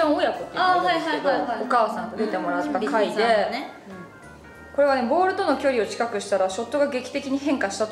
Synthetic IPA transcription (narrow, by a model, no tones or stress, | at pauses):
õojakot̪ːeahaiad̪oaokaːsãŋt̪od̪et̪e̞mo̞ɾat̪ːakaid̪e̞n | ko̞ɾe̞βane̞bo̞ːɾɯ̟t̪o̞no̞kʲo̞ɾʲio̞t͡ɕi̥kakɯ̟ɕi̥t̪aɾaɕo̞t̪ːo̞ɡaɡe̞kʲi̥t̪e̞kʲiɲ̟iɦẽ̞ŋkaɕi̥t̪at̪